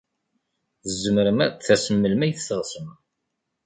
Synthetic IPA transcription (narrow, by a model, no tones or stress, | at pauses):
θzːəmɾəmæθæsəmːəlmæjθθəʁsəm